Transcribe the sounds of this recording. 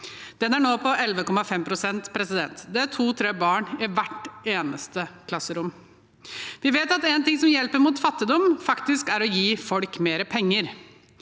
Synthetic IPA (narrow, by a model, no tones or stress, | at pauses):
d̪̥ɛnæɳoːpʰɔʔɛlʋəkɔmɑfɛmpʰɾʊsɛnt̪pʰɾɛsɪd̪ɛ̰nt̪d̪ɛæʈʰuːt̪ʰɾeːbɑːɳɪʋæʈeːnə̰st̪əkʰlɑsːəɾʊm | ʋɪʋeːt̪ɑt̪eːnt̪ɪŋsɔmjɛlpəɾmuːt̪fɑt̪ːɪd̪ɔmfɑkt̪ɪskæɾɔjiːfɔlkmeːɾəpʰɛŋːəɾ